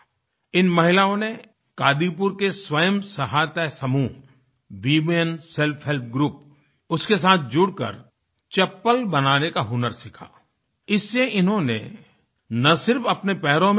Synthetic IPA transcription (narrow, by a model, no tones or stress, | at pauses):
ɪnmɐɦɪlaːõne | kaːd̪ipʊɾkeswəjəmsɐɦaːt̪ɛsɐmuː | ʋiːmejənsɛlpʰɦelp̚ʰɡɾuːp̚ | ʊskes̬aːt̪̚ʰd͡ʒʊɽkə̰ɾ | t͡ʃɐpːəlbɐnaːnekaɦʊnəɾsɪkʰa̰ː | ɪsːeɪnɦõnḛ | nɐsɪɾfɐpnepɛɦɾõm